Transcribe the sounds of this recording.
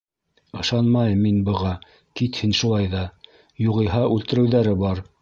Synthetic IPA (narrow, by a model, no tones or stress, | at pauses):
ɤ̆ʃɑnmɑjɤmːinbɤ̆ʁɑ | kit̪hɘnʃulˠɑjðɑ | juʁɤ̆jɦɑʉlt̪ɘ̆ɾɘ̆wðæɾɘbɑɾ